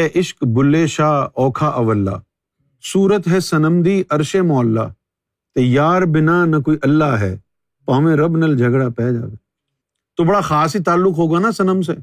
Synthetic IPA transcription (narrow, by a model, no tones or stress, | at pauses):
ɦɛʔɪʃkbʊlːeːʃaːɔːkʰaːʔɐʋəlːa̰ː | suːɾət̪ɦɛsɐnəmd̪iːɐɾʃemoːəlːa̰ː | t̪ejaːɾbɪnaːnɐkoːiːʔɐlːaːɦɛː | paːmẽɾɐbnɐld͡ʒʱɐɡɽaːpɛːd͡ʒa̰ːɡa | t̪oːbɐɽaxaːsit̪aːlːʊkɦoːɡaːnasɐnəms̬e